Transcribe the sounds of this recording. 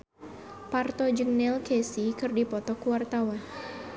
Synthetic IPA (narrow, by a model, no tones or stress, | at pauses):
part̪ɔd͡ʒɨŋnɛlkɛsikɨrdipɔt̪ɔkuwart̪awan